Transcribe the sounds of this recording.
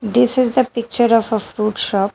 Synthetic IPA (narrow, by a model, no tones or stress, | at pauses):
d̪ɪsɪzd̪əpɪk̚t͡ʃəɾɔfəfɾuʈʃɔːp̚